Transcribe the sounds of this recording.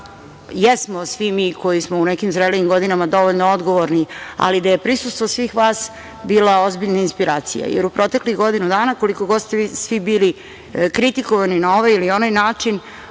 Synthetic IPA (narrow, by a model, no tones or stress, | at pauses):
jesmosʋimiko̞jismounekimzɾeliimɡo̞d̪inamad̪o̞ʋoʎnood̪ɡo̞ʋoɾnia̰lid̪aje̞pɾisust̪ʋosʋiːxʋaːs | biːlao̞zbiʎnainspiɾaːt̪sḭja̰jḛɾupɾo̞t̪ekliɣɡo̞d̪inud̪aːnako̞liko̞ɡo̞d̪st̪eisʋibiːli | kɾit̪ikoʋaninao̞ʋajilio̞najnaːt͡ʂin